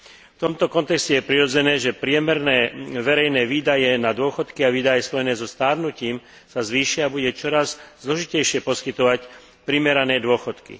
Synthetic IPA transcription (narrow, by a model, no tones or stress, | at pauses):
ft̪ɔmt̪ɔkɔnt̪ɛkscɛjɛpɾiɾɔd͡zɛnɛːʒɛpɾɪɛmɛɾnɛːʋɛɾɛjnɛːʋiːd̪ajɛnad̪ʊɔxɔt̪kiaʋiːd̪ajɛspɔjɛnɛːzɔst̪aːɾnuciːm | sazʋiːʃɪabuɟɛt͡ʃɔɾazzlɔʒicɛjʃɪɛpɔskit̪ɔʋac | pɾimɛɾanɛːd̪ʊɔxɔt̪kḭ